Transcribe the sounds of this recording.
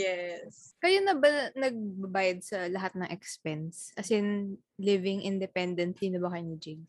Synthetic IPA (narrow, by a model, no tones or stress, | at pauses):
jɛskɐjanɐbɐnɐɡ̚bɐbaːjɐd̪̚sɐlɐɦat̪̚nɐŋʔɛkspɛnsʔɐsɪn | lɪvɪŋʔɪnd̪ɛpɛnd̪ɛnt̪linɐbɐkɐjʊŋɪd͡ʒɪɡ